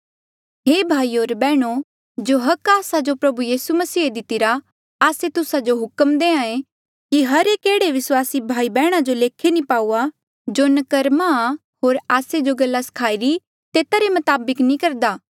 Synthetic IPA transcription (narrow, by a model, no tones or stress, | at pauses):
ɦeːbʱaːioːɾbɛːɽ̃o | d͡ʒoɦɐkaːsad͡ʒopɾɐbujiːsumɐsiːed̪ɪt̪ɪɾa | aːset̪ʊsad͡ʒoɦʊkəmd̪eːãẽ | kiɦɐɾekeːɽeʋɪswaːsibʱaːibɛːɽ̃ad͡ʒoleːkʰenĩpaːuːa | d͡ʒoːnɐkɐɾma | ɦoːɾaːsed͡ʒoɡɐlːasɐ̥kʰaːiɾi | t̪eːt̪aɾemɐt̪aːbəknĩkɐɾd̪aː